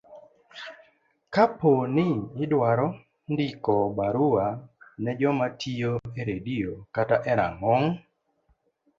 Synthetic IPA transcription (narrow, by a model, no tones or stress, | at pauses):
kaponɪːdwaɾɔ | ndikɔbaɾuanɛd͡ʒɔmatʰijoeɾediokataʔɛɾa̰ŋɔŋ